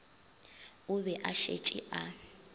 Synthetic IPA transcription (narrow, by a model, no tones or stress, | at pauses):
ʊβɛʔaʃḛt͡ʃʼḭʔa